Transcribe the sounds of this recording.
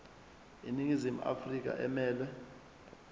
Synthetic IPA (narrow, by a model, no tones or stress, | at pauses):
ḭniŋizimuʔa̰frik̬a̰ʔɛmɛːlɛ